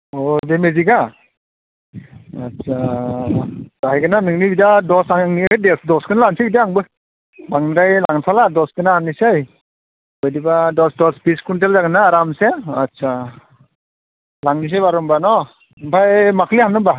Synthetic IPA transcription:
ɔdemeziɡa | atsʰa | aɦajɡɯnanɯŋnibidadɔsaŋŋnikʰɯdesdɔskɯnalansediaŋbɯ | baŋnɾajlaŋsʰaladɔskɯnaamnisaj | bɯjdibadɔsdɔsbiskunt̬elzaɡɯnaːɾamseatsa | laŋnis̬ajbaɾɔmbanɔ | mpʰajmakʰlihamnɯmba

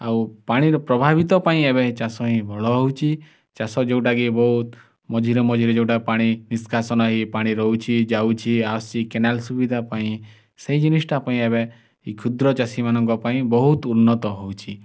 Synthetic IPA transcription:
awpaɽ̃iɾɔpɾɔbʱabit̪ɔpaĩeβet͡ʃasɔɦĩbʱɔɭɔɦɔut͡ʃʰi | t͡ʃasɔd͡ʒeuʈaɡibɔɦut̪ | mɔd͡ʒʱiɾɔmɔd͡ʒʱiɾɔd͡ʒewʈapaɽ̃iniskʰasɔnɔɦipaɽ̃iɾɔut͡ʃʰid͡ʒaut͡ʃʰiast͡ʃikenalsubid̪ʱapaĩ | seɦid͡ʒinisʈapaĩeβe | ikʰud̪ɾɔt͡ʃasimanɔ̃ŋkɔpaĩbɔɦut̪unːɔt̪ɔɦɔut͡ʃʰi

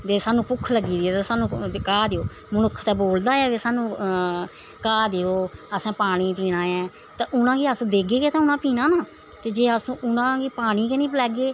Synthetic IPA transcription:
d̪eːsaːnũːpʊkʰːləɡːiːd̪ɪɛːt̪aːsaːnũːkaːd̪eːoː | mənʊkʰːt̪ɛːboːld̪aːɛːʋeːsaːnũː | kaːd̪eːoːəsãːpaːɽ̃iːt̪iːɽ̃ãːjɛ̃ː | t̪ãːʔʊnãːɡiːəsd̪eːɡeːɡeːt̪ãːʊnãːpiːnãːnaː | t̪eːd͡ʒeːəsːʔʊnãːkiːpaːɽ̃iːkenĩːplɛːɡeː

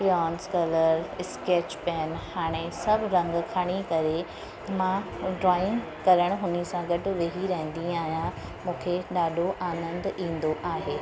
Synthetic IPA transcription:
ɔːnskɐləɾɪskeːt͡ʃpɛːnhaːɽ̃esɐbʱɪɾɐ̃ŋɡkʰaːɽ̃ikɐɾe | mã | ɖɾaːɪ̃ŋ | kɐɾəɽ̃ɦʊnisãɡɐʈʊ̆ʋeɦiɾɐɦɪ̃nd̪ĩaːɦjã | mũːkʰeɗaːɗʱoʔaːnə̃nd̪ĩːnd̪oʔaːɦeː

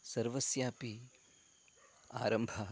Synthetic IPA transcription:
sɐɾʋɐsjaːpi | a̰ːɾɐmbʱɐ

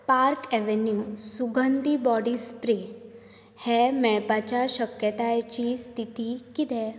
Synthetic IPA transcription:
paɾkɛʋenjusuɡənd̪ibɔɽiːspɾe | hɛmɛɭpat͡ɕjaɕəkjət̪ajt͡ɕiːst̪ʰit̪ikit̪ɛ

